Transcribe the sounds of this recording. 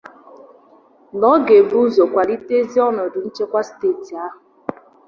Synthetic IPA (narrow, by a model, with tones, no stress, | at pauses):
nɔ˨˦ɡe˨bu˦zo˨kʷa˨li˦te˦zi˦ɔ˦nɔ˨dʊ˨n̩˦t͡ʃe˦kʷa˦steː˦˨ti˨a˦ɦʊ˨